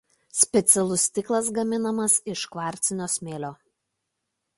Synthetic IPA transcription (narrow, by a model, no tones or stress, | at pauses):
sʲpʲɛt̪sʲɛlˠʊsʲt̪ʲɪklˠɐsɡɐmʲɪnɐmɐsɪʃkʋɑːˑɾʲt̪sʲɪnʲoːsʲmʲeːlʲoː